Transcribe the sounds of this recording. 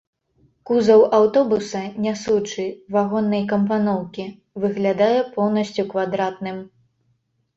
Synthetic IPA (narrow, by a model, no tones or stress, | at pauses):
kuzɐwawt̪ɔbusɐnʲasut͡ʂɨvaɣɔnːɐjkɐmpanɔwkʲi | vɨɣlʲad̪ajɛpɔwnɐsʲt͡sʲukvad̪ɾat̪̚nɨm